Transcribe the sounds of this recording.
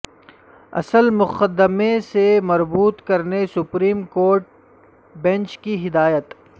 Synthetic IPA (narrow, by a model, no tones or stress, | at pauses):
ɐ̰səlmʊxəd̪əmesemɐɾbuːt̪kɐɾnesʊpɾiːmkoːɾʈ̚ | bɛ̃nt͡ʃkiɦɪd̪aːjət̪